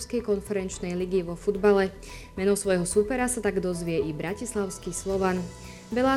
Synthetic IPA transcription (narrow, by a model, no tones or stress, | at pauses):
skɛjkɔnfɛɾɛnt͡ʃnɛjliɡiʋɔfud̪balɛ | mɛnɔsʋɔjɦɔsupɛɾasat̪aɡd̪ɔzʋɪɛibɾacislaʊskiːslɔʋan | ʋɛlaː